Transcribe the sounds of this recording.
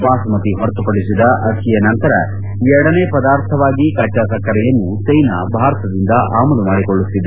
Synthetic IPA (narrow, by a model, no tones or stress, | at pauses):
ʋaːsɐmɐt̪iɦɐɾt̪upɐɽisid̪ɐʔɐkijɐnɐnt̪ɐɾɐ̰ | ɛɾɐɽɐneːpɐd̪aːɾt̪ʰɐʋaːɡikɐt͡ʃaːsɐkːɐɾɛjɐnːusɐjnɐbʱaːɾɐt̪ʰɐd̪ind̪ɐʔaːmɐlumaːɽikoɭːut̪ːid̪e